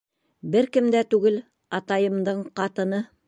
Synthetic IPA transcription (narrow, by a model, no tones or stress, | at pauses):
bɘɾkɘ̆md̪æt̪ʉɡɘl | ɑt̪ɑjɤ̆md̪ɤɴqɑt̪ɤ̆nɤ